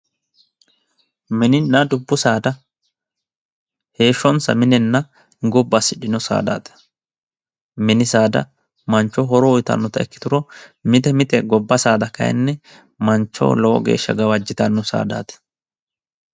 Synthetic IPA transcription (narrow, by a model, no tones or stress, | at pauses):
mɪnɪnːɐd̪ʊbːʊsaːd̪ɐ | he̞ːʃːɔnsɐ̰mɪnɛnːɐ | ɡɔbːasɪᶑɪnɔsa̰ːd̪a̰ːt̪ɐ̥ | mɪnɪsaːd̪ɐ̰ | mɐnt͡ʃːɔɦɔɾɔʊjt̪ɐ̰nːɔt̪ɐɛkːɪ̥t̪ʊɾɔmɪt̪ɛmɪt̪ɛɡɔbːɐsaːd̪ɐkɐ̰jɛ̰nːɛ | mɐnt͡ʃːɔ̰wlɔwɔ̰ɡe̞̰ːʃːɐ̰ɡɐwɐd͡ʒːɪt̪ɐnːʊsa̰ːd̪a̰ːt̪ɛ̥